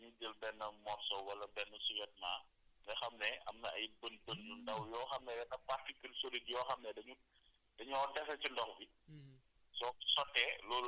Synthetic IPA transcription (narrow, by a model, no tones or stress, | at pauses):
ɲud͡ʒəlbɛnːɐmɔrsɔwwɐlɐbɛnːəsuwɛt̚ma̰ | dɛxɐmnɛɐmnɐʔɐjbənbənlundɐwjɔːxɐmnɛdɐnɐpartikəlsolidjɔːxɐmnɛdɐɲu | dɐɲɔɔtɛsɐt͡ʃundɔxbi | sɔsɔtːɛlɔːl